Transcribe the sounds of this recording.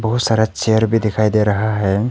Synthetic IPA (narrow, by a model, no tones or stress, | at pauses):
bəɦut̪saɾat͡ʃeəɾbʱid̪ɛkʰajd̪eɾəɦaɦɛ